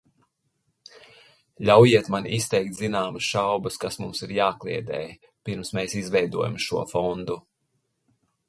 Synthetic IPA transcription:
lʲawjiɛt̪manist̪ɛjk̚t̪zinaːmɐsʃawbɐskasmumsiɾjaːklˠḭɛd̪ɛ̰ːj | piɾmsmeːsizvɛjd̪uɔja̰mʃuɔfɔnd̪u

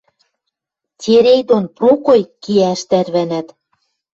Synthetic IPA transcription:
tʲeɾejd̪onprokojkiæʃt̪æɾβænæt̪

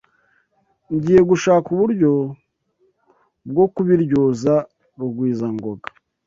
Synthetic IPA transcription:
ɲɟiːje̞ɡuʃaːkuβuɾɟo̞ | bɡo̞kuβiɾɟoːza | ɾuɡwiːzaŋɡo̞ɡḁ

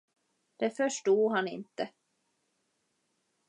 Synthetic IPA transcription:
d̪̥ɛfœʂʈuːd̪ɦanɪ̰nt̪ə

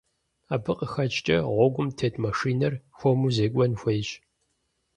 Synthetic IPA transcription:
aːbɨqʼəxɐt͡ʃʼt͡ʃʼɐʁʷɔɡʷʊmtʰeːtʼmɐʂiːnɐrxʷomuzeːkʷʼɔnxʷejɕ

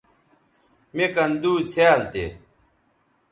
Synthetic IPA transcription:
mekɐnd̪uːt͡ɕʰeːlt̪ḛ

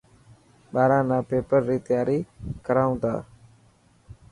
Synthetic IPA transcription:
ɓaːɾãːnãːpeːpəɾːiːt̪ɪjaːɾiːkəɾaːʊ̃nd̪a̰ː

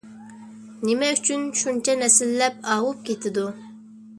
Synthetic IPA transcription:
nɪmɛyt͡ʃʰynʃunt͡ʃʰɛnɛsɪlːɛp̚ɑːwup̚kʲʰet̪ʰɪd̪u

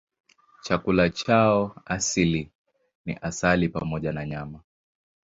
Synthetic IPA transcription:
t͡ʃakulat͡ʃaɔasili | nḭʔasalipamɔʄanaɲama

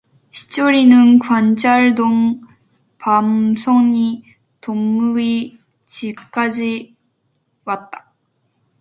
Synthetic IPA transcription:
ɕi̥t͡ɕ͈oɾinɯnkwant͡ɕʰaɭdoŋ | pamsʰoɲi | toŋɯi | t͡ɕip̚k͈ad͡ʑi | wat̚t͈ḁ

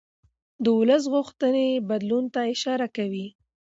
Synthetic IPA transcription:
d̪əwʊləs̬ɣʊxt̪ənebad̪lunt̪aɪʃɑɾakawi

